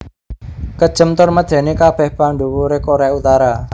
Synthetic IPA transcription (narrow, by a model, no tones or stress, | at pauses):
kəd̥ʒ̥ə̤mt̪ʊrməd̪̥ɛ̤nekab̥ɛ̤hpaɳɖuwuɾekoɾeaut̪aɾa